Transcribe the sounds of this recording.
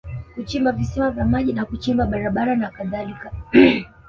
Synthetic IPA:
kut͡ʃimbavisimavjamaʄinakut͡ʃimbaɓaɾaɓaɾanakaðalika

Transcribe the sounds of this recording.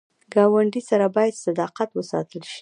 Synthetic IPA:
ɡɑwaɳɖisaɾabɑjad̪sad̪ɑqat̪wəsɑ̰t̪əlʃi̥

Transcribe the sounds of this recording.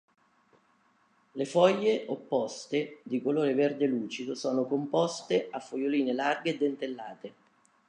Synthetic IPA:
lefɔjːeʔopːɔst̪ed̪ikoloːɾeverd̪eluːt͡ʃid̪osɔːnokompɔst̪eʔafːojoliːnelarɡeːd̪ːent̪elːaːt̪e

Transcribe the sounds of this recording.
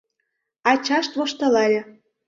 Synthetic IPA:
ɑt͡ɕɑʃt̪βŏʃt̪ɤ̆lɑlʲɤ̆

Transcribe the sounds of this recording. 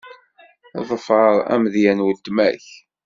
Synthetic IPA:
ðˤəfʕəɾˤæ̰mðjænwəlt̪ːmæç

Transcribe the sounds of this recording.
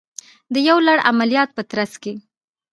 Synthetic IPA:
d̪əjawlaɽa̰malijɑt̪̚pət̪ɾaske

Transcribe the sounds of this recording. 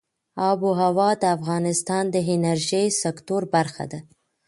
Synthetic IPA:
ɑbuɦawɑd̪əafɣɑnɪst̪ɑnd̪əɦɪnaɾʒəjsɪkt̪oɾbaɾxa̰d̪a

